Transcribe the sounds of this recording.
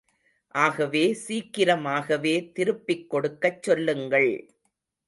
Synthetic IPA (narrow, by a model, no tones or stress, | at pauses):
ʔaːɣɐʋeːsiːkːɪɾɐmaːɣɐʋeːt̪ɪɾɯpːɪkːɔɽɯkːɐt͡ʃːɔlːɯŋɡɐɭ